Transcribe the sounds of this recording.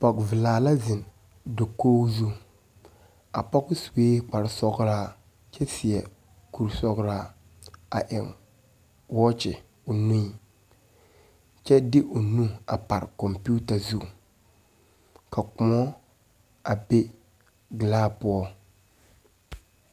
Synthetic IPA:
pɔ˨kvɪ˨laː˨la˦zɪ˨n | do˨koː˦wzu˦ | a̰˨pɔ˦kʊ˦su˨weː˦k͡pa˨ɾɪ˦sɔ˦ɡɾaː˦ | t͡ʃɛ˦sɪ˨ɛ˨ | ku˨ɾsɔ˦ɡɾa˦ | a˨ʔɪ˨ŋ | wɔ˦t͡ʃɪ̰˨ | ʊ˨nũ˦i˨ | t͡ʃɛ˦dɪ˦ʔʊ˨nũ˦a˨pa˨ɾkɔ˨mpu˦ta˨zu˦˨ | kʰa˨kʊ˨mɔ˦ | ʔa˨be˦ | ɡɪ˨laː˦pʊ˦ɔ˦

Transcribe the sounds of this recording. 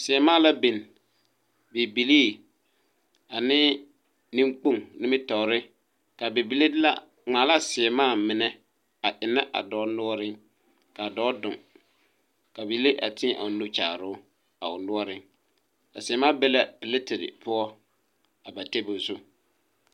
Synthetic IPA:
sɪ˨ɛ˨maː˦la˦be˨n | be˨bi˨liː˦ | a˨nɪː˦ | nĩ˦ŋk͡po˦ŋnɪ˦mɪ˦tɔ˨ɾɪ˦ | ka˨be˨bi˨le˦dɪ˦la̰˦ | ŋ͡maː˨la˦sɪ˨ɛ˨maː˦˨mɪ˨nɛ˦ | a˨ʔɪ˨na˦ʔa̰˨dɔː˦nʊ˦ɔ˦ɾɪ˦ŋ | ka˨dɔː˦dʊ̰˨ŋ | ka˨be˨˦le˦ʔa̰˨tɪ̃˦ʔa̰˨ʊ˨nu˦t͡ʃa̰ː˨ɾʊ˦ | a˨ʊ˨nʊ˦ɔ˦ɾɪ˦ŋ | ka̰˨sɪ˨ɛ˨˦maː˦bɛ˦la˦pɪ˨lɪ˦tɪ˨ɾɪ̰˨pʊ˦ɔ˦ | a˨ba˨tɛ˦bʊ˨zʊ˦

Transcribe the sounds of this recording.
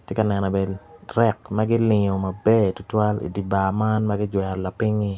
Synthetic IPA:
tje˦ka˨nɛ˨nɔ˨bɛ˨ɾɛ˦kmɐ˦ɡɪ˦lɪ˨ɲo˨mɐ˨bɛ˦tʊ˦twa˦lḭ˨di˨ba˨ma˦nmɐ˦ɡɪ˦d͡ʒwɛ˨ɾla˨pɪ˦ŋi˦

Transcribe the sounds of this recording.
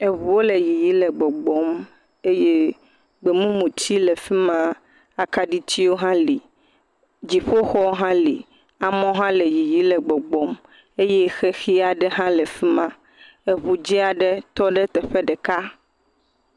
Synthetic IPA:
e˨βu˨wo˦le˨ji˨ji˦lɛ˨ɡ͡bɔ˨ɡ͡bɔ˦m | e˦je˦ | ɡ͡be˨mũ˦mũ˨t͡ɕi˦le˨fi˦mã˦ | a˨ka˦ɖi˦t͡ɕi˦wo˦ɦã˦li˨ | d͡ʑi˨ɸo˦xɔ˦ɦã˦lḭ˨ | a˨mɔ̃˦ɦã˦le˨ji˨ji˦lɛ˨ɡ͡bɔ˨ɡ͡bɔ˦m | e˦je˦xɛ˦xi˦a˨ɖɛ˦ɦã˦lɛ˨fi˦mã˦ | e˨βu˨d͡ʑi˦a˨ɖɛ˦t̪ɔ˦ɖɛ˦t̪ɛ˨ɸe˦ɖɛ˨ka˦

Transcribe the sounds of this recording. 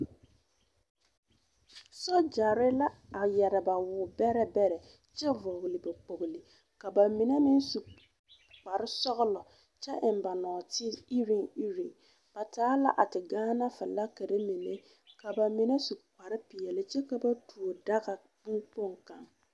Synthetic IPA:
sɔ˦d͡ʒa˨ɾɪ˦la˦a˨jɛ˨ɾɪ˨ba˨wʊ˨bɛ˦ɾɛ˦bɛ˦ɾɛ˨ | t͡ʃɛ˦vo˨ɣlɪ˨bɛ˨k͡po˨ɣli˨ | ka˨ba˨mɪ˨ne˦mɪ˦nsu˨ | k͡pa˨ɾɪ˦sɔ˦ɣʊ˦lɔ˨ | t͡ʃɛ˦ʔɪ˨m˨ba˨nɔː˨tɪ˦i˦ɾi˦˨ŋi˦ɾi˨ŋ | b̥a˨tʰaː˨˦la˦ʔa˨tɪ˨ɡaː˦na˦fɪ˨la˦ke˨ɾe˦mi˨ne˦ | ka˨ba˨mɪ˨ne˦su˨k͡pa˨ɾɪ˦pɪ˨ɛ˨lɪ˦t͡ʃɛ˦ka˨ba˦tu˨o˨da˦ɣa˨ | bu˦ŋpo˦ŋka˨ŋ

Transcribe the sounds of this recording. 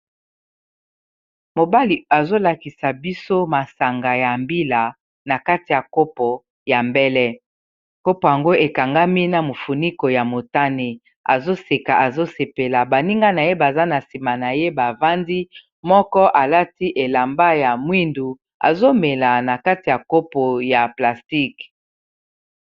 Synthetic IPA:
mo˨ba˦li˨a˨zo˦la˨ki˨sa˨bi˦so˦ma˨sa˨ŋɡa˨ja˨mbi˦la˨ | na˨ka˦ti˨ja˨ko˦pɔ˨ | ja˨mbɛ˦lɛ˦ | ko˦po˨ja˨ŋɡo˦e˨ka˨ŋɡa˦mi˦na˨mo˨fu˨ni˦ko˨ja˨mo˨ta˦ne˦ | a̰˨zo˦se˨ka˨ʔa˨zo˦se˨pe˨la˨ba˨ni˦ŋɡa˦na˨je˦ba˨za˦na˨si˨ma˨na˨je˦ba˨va˦ndi˦ | mɔ˦kɔ˦ʔa˨la˦ti˦ʔe˨la˨mba˦ja˨mwi˦ndu˨ | a̰˨zo˦me˨la˨na˨ka˦ti˨ja˨ko˦po˨ja˨pla˨sti˦k

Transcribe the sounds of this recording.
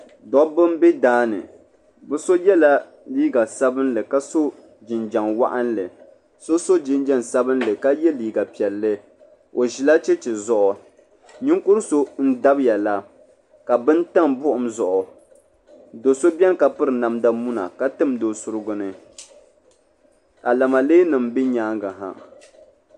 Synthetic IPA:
dɔ˦bɨ˦m˦bɛ˦daː˦nɨ̰˨ | bɨ˦so˦jɛ˦la˦ | liː˦ɡa˨sa˦bɨ˦nlɨ˨ka˦so˦ | d͡ʒɪ˨nd͡ʒa˨ŋwa̰˦ʔa˦nlɨ˨ | so˦so˦d͡ʒɪ˦nd͡ʒa˦nsa˦bɨ˦nlɨ˨ka˦jɛ˦liː˦˨ɡa˨pi˨ɛ˨lːɨ˦ | o˨ʒi˨la˦t͡ʃɛ˦t͡ʃɛ˨zɔ˦ʔʊ˨ | ɲɪ˦ŋkʊ˦ɾso˦n̩˦da˦bja˨la˦ | ka˨bɨ˦n˦ta˦mbʊ˦ʔʊ˨mzɔ˨ʔʊ˨ | do˨so˦bɛ˦n˦ka˨pɨ˦ɾɨ˨na˨mda˦mu˦na̰˨ka˦tɨ˦mdo˨sʊ˦ɾɨ˦ɡʊ˦nɨ˨ | ka˨la˨ma˨leː˦nɨ˨m̩bi˦ɲaː˨˦ŋɡa˨ɦa̰˨

